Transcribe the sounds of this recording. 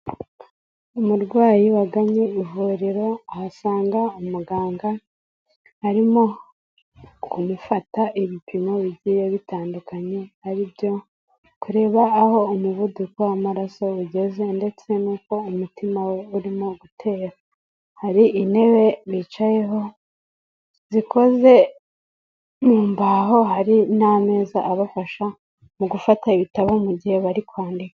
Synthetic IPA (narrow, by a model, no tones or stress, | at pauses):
umuɾɡwaːjiwaɡaɲeivuːɾiɾo̞ahasaːŋɡaumuɡaːŋɡa | haɾimo̞ | kumufataʔiβipʰimo̞βiɟijeβitaːndukaɲe̞haɾibjo̞ | kuɾe̞ːβaːho̞umuβudukowamaɾaso̞uɟe̞ze̞nde̞t͡se̞nuːko̞umutimawe̞uɾimo̞ɡutʰe̞ːɾa | haɾiʔine̞βe̞βit͡ʃaje̞ɦo̞ | ziko̞ze̞ | muːmbaɦo̞ɦaɾiname̞ːza̰ʔaβafaʃa | muɡufataiβitaβomuɟihe̞βaɾikwaːndikḁ